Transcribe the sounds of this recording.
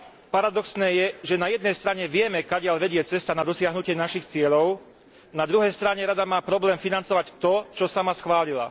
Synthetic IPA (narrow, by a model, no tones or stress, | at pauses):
paɾad̪ɔksnɛːjɛʒɛnajɛd̪nɛjst̪ɾaɲɛʋɪɛmɛkaɟɪaʎʋɛɟɪɛt͡sɛst̪anad̪ɔsɪaɦnucɪɛnaʃixt͡sɪɛʎɔʊ | nad̪ɾuɦɛjst̪ɾaɲɛɾad̪amaːpɾɔblɛːmfinant͡sɔʋact̪ɔt͡ʃɔsamasxʋaːlila̰